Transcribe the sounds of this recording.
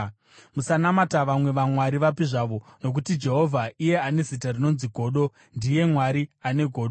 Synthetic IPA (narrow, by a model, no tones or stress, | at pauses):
musanamataʋamwe̞ʋamwaɾiʋapiʐaʋo̞no̞k̬utid͡ʒe̞ɦo̞vʱaije̞ane̞zitarino̞nziɡʱo̞ːɗo̞ | ndije̞mwaɾiane̞ɡʱo̞ːɗo